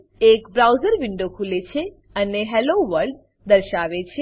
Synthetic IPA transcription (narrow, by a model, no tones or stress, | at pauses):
ekbɾawzəɾʋɪɳɖokʰulet͡ʃʰe | əneɦɛloʋəɾɖ | d̪əɾʃaʋet͡ʃʰe